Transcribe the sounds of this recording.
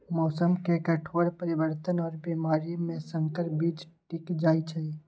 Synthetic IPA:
mɔːsəmkekəʈʰoːɾpəɾɪbəɾt̪ənɔːɾbiːmaːɾimẽsə̃ŋkəɾbiːd͡ʒʈɪkd͡ʒaːit͡ʃʰai

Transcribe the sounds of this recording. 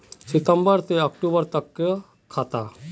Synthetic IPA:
sɪt̪ə̃mbəɾt̪eɐkʈuːbəɾt̪ɐkʰː | aːt̪aː

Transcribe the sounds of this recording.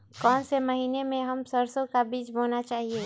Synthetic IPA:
kɔːnsemɐɦiːnemẽɦɐmsəɾsõkabiːd͡ʒboːnat͡ʃaːɦieː

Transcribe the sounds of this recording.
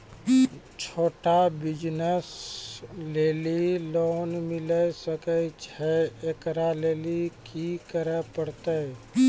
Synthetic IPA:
t͡ʃʰoːʈabɪd͡ʒnəs | leːliloːnmɪləsəkət͡ʃɛekɾaleːlikikəɾəpəɽt̪ə

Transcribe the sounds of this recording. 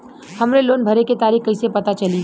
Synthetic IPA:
hɐmɾeloːnbʱɐɾeket̪aːɾiːxkɐɪsepɐt̪at͡ʃɐli

